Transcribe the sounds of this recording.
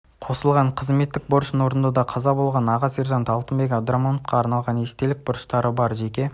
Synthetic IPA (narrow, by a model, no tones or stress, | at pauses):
qʰo̞səlˠʁɑɴqʰəzme̞t̪ːɪk̚boɾʃəno̞ɾənd̪ɑd̪ɑqʰɑzɑbo̞lˠʁɑnɑʁɑseɾʒɑnt̪ɑlˠt̪əmbe̞kʲabd̪ɾamanofqɑːɾnɑlˠʁɑne̞st̪e̞lɪk̚bʊɾəʃt̪ɑɾəbɑɾʒe̞kʲe̞